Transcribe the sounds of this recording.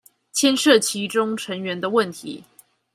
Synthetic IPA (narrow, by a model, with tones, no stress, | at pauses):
t͡ɕʰjɛ˥nʂɤ˥˩t͡ɕʰi˧˥ʈ͡ʂʊ˥ŋʈ͡ʂʰə˧˥ŋɥɛ˨˧˥nd̪ə˧wə˥˩nt̪ʰḭ˨˧˥